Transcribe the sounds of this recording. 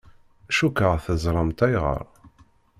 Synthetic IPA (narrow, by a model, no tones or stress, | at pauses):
ʃukəʁθəzˤɾˤɑmt̪æjʁə̰ɾˤ